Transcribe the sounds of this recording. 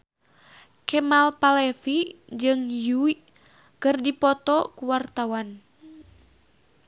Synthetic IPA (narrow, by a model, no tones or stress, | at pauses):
kɛmalpalɛfid͡ʒɨŋjui | kɨrdipɔt̪ɔkuwart̪awan